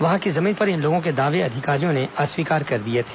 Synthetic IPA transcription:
ʋɐɦãkizɐmiːnpɐɾɪ̃nloːɡõk̬ed̪aːʋeɐd̪ʱɪkaːɾijõneaswiːkaːɾkɐɾd̪iet̪ʰe̥ː

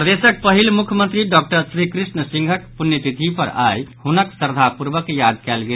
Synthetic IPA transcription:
pɾəd̪esək̚pəɦilmukʰjəmənt̪ɾiɖɔk̚ʈəɾsɾikɾisnəsiŋɡʱəkpunːjət̪it̪ʰipəɾajhunəksəɾd̪ʱapuɾbəkejad̪̚kɛlɡe

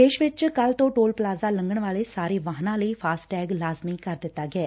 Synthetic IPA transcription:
d̪eːʃʋɪt͡ʃkəlt̪õːʈoːlpəlaːzaːləŋɡəɳʋaːleːsaːɾeːʋaːɦnãːləiːpʰaːsʈɛːɡlaːzmɪ̃ŋkəɾd̪ɪt̪ːaːɡɛː

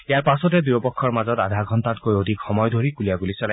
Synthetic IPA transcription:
jaɹpasɔted̪ujɔpɔkʰːɔɹmazɔta̰d̪ʱaɡʱɔntat̚kojod̪ʱikxɔmɔjd̪ʱoɹikuliaɡulisɔla

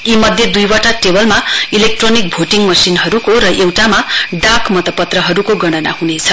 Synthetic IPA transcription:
imʌd̪ʱjed̪ujbaʈaʈebʌlmailek̚ʈronik̚bʱoʈiŋmʌsinɦʌɾukoɾʌʔewʈamaɖakmʌt̪ʌpːʌt̪rʌɦʌɾukoɡʌɽ̃ʌna̰hunet͡sʰʌ

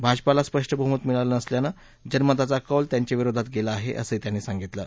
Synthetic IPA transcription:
bʱad͡ʑpalaspɾəʂʈəbʱumət̪miɭalənəsljana | d͡ʑənmət̪at͡sakəlt̪jaɲt͡ɕaʋiɾod̪ʱat̪ɡelaːɦḛʔə̰səit̪janːesaŋɡit̪lə̰

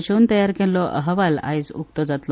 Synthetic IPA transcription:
t͡ɕuːnt̪əjaɾkɛlɔʔə̰ɦəʋala̰jt͡sukt̪ɔd͡zat̪lɔ

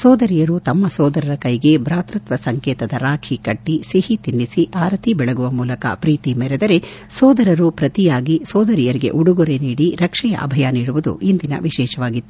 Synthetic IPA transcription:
sɔːd̪ɐɾijɐɾut̪ɐmːɐsɔːd̪ɐɾɐɾɐkɐjɡe̞bɾaːt̪ɾɐt̪ʋɐsɐŋkɛːt̪ɐd̪ɐɾaːkʰikɐʈːisihit̪inːisiʔaːɾɐt̪ʰibɛɭɐɡuʋɐmuːlɐkɐ̰pɾiːt̪imɛɾɛd̪ɐɾe̞ | sɔːd̪ɐɾɐɾupɾɐt̪ijaːɡisɔːd̪ɐɾijɐɾiɡe̞̰ʔuɽuɡuɾe̞niːɽiɾɐkʂɛjɐ̰ʔɐ̰bʱɐjaniːɽuʋud̪ṵʔind̪inɐ̰ʋiʃɛːʃɐʋaːɡit̪ːu

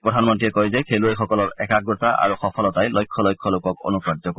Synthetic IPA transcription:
pɹɔdʱanmɔntiɛkɔjzɛkʰeluejxɔkɔlɔɹɛkak̚ɡotaʔa̰ɹuxɔpʰɔlɔtajlɔjkʰːɔlɔjkʰːɔlokɔko̰nukɹadɔko

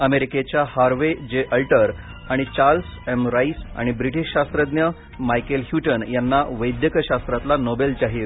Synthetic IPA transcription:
əmeɾiket͡ɕjahaɾʋed͡ʑeʔəlʈəɾ | aɽ̃it͡ɕaɾlsɛmɾaisa̰ɽ̃ibɾiʈiɕɕast̪ɾəd̪njə | majkelhjuʈənjanːaʋəjd̪jəkəɕast̪ɾat̪lanobelt͡ɕaɦiːɾ

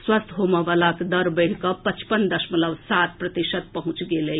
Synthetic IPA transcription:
swəst̪ʰɦomaʋəlakd̪əɾbəɽ̤kəpət͡ʃpənd̪əʃmələbsaːt̪̚pɾɐt̪iʃət̪̚pɐɦʊ̃t͡ʃɡele

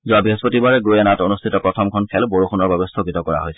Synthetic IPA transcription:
zuabiɦespotibaɹɛɡujɛnatonustʰitɔpɹɔtʰɔmkʰɔnkʰɛlboɹuxʰunɔɹbɛbɛstʰoɡitɔkɔɹa̰ɦojsɛ

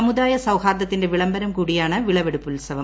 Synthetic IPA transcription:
ɐmɯðaːjɐsɐʋɣaːɾd̪ɐt̪ːɪndɐʋɪɭɐmbɐɾɐmkuːɽɪjaːnɐʋɪɭɐʋɛɽɯpːɯlsɐʋɐm

